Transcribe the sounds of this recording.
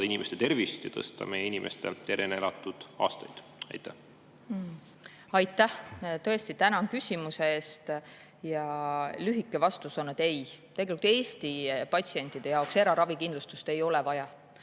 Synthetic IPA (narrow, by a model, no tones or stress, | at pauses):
ɑinimest̪et̪e̞rvist̪jɑ̰t̪ɤst̪ɑ̰mejeinimʔest̪et̪eɾeneɾɑt̪ːˑud̪̥ɑ̰ːst̪ɑjd̪̥ | ɑ̰jt̪ːˑæh | ɑjt̪ːˑæht̪ɤ̞e̞st̪it̪ænɑnkysʲimuse̞eːst̪ | jɑlyɦikːˑe̞vɑst̪usonːet̪e̞jt̪eɡe̞likut̪ːˑe̞ːst̪ipɑt̪ʲsie̞nʲt̪ːˑid̪̥e̞jɑowkse̞ɾɑɾɑvikind̪lust̪ust̪e̞jo̞lɛvɑjɑ